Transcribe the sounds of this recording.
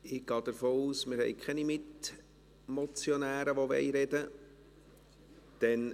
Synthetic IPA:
ɪɡ̥ɑːd̪əɾfoːuːsmɪɾhɛ̰jkʰχɛnimɪt | mɔt͡sjonæːɾəʋoʋɛ̰ɪɾɛdə | d̪̥ɛn

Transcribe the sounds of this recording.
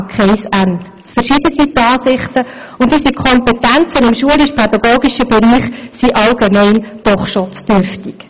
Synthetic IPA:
kχɛɪsænt | t͡sfəɾʃid̥əsit̪ːɑːsɪχt̪ə | ʊndysikʰχɔmpɛtænt͡sənɪmʃuəlɪʃpʰɛd̥̪ɑɡoːɡiʃəbɛɾiːχsiʔɑlɡ̥emɛɪnd̥ɔχʃot͡sd̥øɾftik

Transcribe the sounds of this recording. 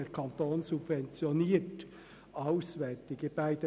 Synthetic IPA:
ɛɾkʰɑnt̪oːnsubvɛnt͡sjɔniːət | ɑʊsʋɛːtɪɡəb̥æɪd̥̪ə

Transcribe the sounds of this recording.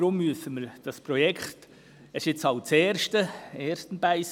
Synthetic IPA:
ɾʊmːyəsəməɾd̥ɑspɾɔjɛkχt | ɛʃɪt͡sɑwt͡sɛːɾʃtəɛːɾstənbæɪs

